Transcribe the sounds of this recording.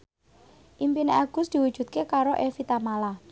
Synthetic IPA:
ʔimpineaɡ̥ʊ̤sd̪̥i̤wud̥ʒ̥ṳt̪̚kekaɾoʔefit̪amala

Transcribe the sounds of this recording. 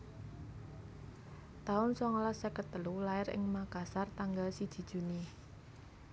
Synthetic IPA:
t̪aʊnsɔŋlasɛkət̪əlulaɪɾɪ̰ŋmakasart̪aŋɡalsid̥ʒ̥i̤d̥ʒ̥ṳni

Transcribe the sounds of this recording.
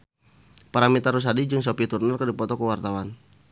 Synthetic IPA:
paɾamit̪aɾus̬adid͡ʒɨŋs̬ɔpit̪urnərkərdipɔt̪ɔkəwart̪awan

